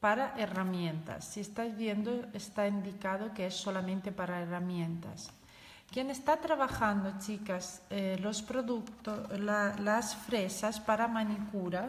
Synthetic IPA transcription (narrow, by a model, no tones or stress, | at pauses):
paɾaʔeramjẽnt̪a̰sːiest̪azβjend̪oest̪aind̪ikað̞okeesːolamẽnt̪epaɾaeramjẽnt̪a̰s | kjenest̪at̪ɾaβaxand̪ot͡ʃikaslospɾoðukt̪olasfɾesaspaɾamanikuɾa